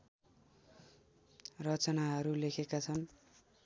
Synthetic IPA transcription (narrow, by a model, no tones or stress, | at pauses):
rʌt͡sʌnaɦʌɾulekʰekat͡sʰʌn